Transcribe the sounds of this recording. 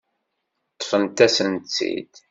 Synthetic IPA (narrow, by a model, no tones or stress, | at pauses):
t̪ˤːfənt̪æsənt͡sːḭd̪